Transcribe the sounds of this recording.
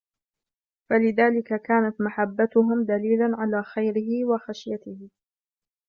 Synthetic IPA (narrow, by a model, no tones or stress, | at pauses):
falɪðaːlɪkakaːnat̪maħabːat̪ʊɦʊmd̪aliːlanʕalaːxajɾɪɦɪwaxaʃjat̪ɪhɪ